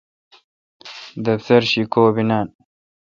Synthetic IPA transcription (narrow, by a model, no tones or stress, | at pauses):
d̪ɐft̪ɐɾɕikoːbinaːn